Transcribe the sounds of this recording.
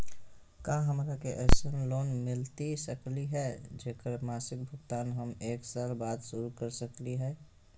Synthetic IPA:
kaɦəmɾakeʔɛːsənloːnmɪlt̪isəkliɦɛd͡ʒeːkəɾmaːsɪk̚bʱʊkt̪aːnɦəmeːksaːlbaːd̪ʃʊɾukəɾsəkliɦɛː

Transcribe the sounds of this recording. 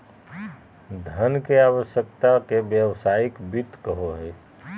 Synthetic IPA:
d̪ʱənkeaːwəʃjəkt̪akebjəʋsaːɪkbɪt̪kəɦoɦɛː

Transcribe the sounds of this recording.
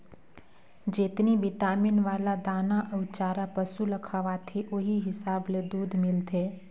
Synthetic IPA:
d͡ʒet̪nibɪʈaːmɪnʋaːlad̪aːnaʔəʋt͡ʃaːɾapəsuləkʰaʋat̪ʰeʔoɦiɦɪsaːbled̪uːd̪ʱmɪlt̪ʰeː

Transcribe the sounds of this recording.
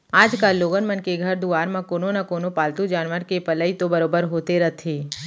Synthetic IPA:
aːd͡ʒkaːlːoːɡənmənkeɡʱɐɾd̪uaːɾmãkoːnonɐkoːnopaːlt̪ud͡ʒaːnʋəɾkepɐləit̪obɐɾoːbəɾɦoːt̪eɾɐt̪ʰeː

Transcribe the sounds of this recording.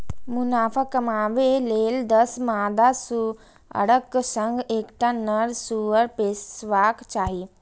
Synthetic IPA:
munaːfakɐmaːʋeleːld̪əsmaːd̪asu | ə̰ɽəkːsəŋɡeːkʈanəɾsuʋəɾpessʋaːkt͡ʃaːɦi

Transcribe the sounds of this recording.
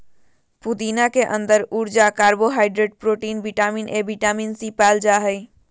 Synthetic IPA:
pud̪iːnakeʔə̃nd̪əɾuɾd͡ʒakaːɾboɦaːɪɖɾeɖ̚pɾoːʈiːnbiʈaːminʔebiʈaːminsipɛːld͡ʒaɦəi

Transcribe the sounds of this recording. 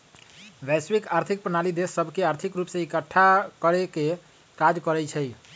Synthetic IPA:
bɛswikaɾt̪ʰik̚pɾənalid̪esːəbʱkeaɾt̪ʰikɾupsẽikəʈʰːakəɾeke | kad͡ʒkəɾɛt͡ʃʰəj

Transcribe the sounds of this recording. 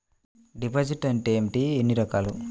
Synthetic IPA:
ɖipɐd͡ʒiʈɐɳʈemʈienːiɾɐkaːlu

